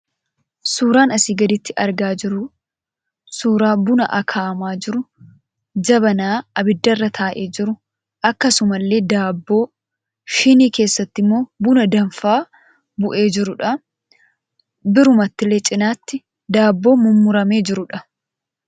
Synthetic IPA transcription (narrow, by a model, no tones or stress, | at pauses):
suːɾaːnɐsiːɡɐd̪ɪt̪ːɪʔɐɾɡaːd͡ʒɪɾʊ | suːɾaːbʊnɐ̰ʔɐkʰaːmaːd͡ʒɪɾʊ | d͡ʒɐbɐnaːɐbɪd̪ːɐrːɐt̪ʰaːʔe̞ːd͡ʒɪɾʊ | ʔɐkːɐsʊmɐlːe̞ːd̪aːbːo̞ː | ʃɪniːke̞ːsːɐt̪ːɪmːo̞ːbʊnɐd̪ɐɱfaː | bʊʔe̞ːd͡ʒɪɾʊᶑɐ | bɪɾʊmɐt̪ːɪlːe̞ːt͡ʃʼɪnaːt̪ːɪ | d̪aːbːo̞ːmʊmːʊɾɐme̞ːd͡ʒɪɾʊᶑɐ